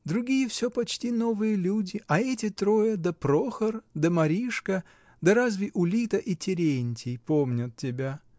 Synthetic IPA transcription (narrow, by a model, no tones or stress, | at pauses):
d̪ɾʊɡʲijəfsʲɵpɐt͡ɕtʲino̞vɨjəlʲudʲɪʔɐɛtʲɪt̪ɾojəd̪əpɾoxərd̪əmɐɾʲiʂkə | d̪ɐɾazvʲɪʔʊlʲit̪əʔitʲɪɾʲenʲtʲɪjpomnʲʊt̪̚tʲːɪbʲa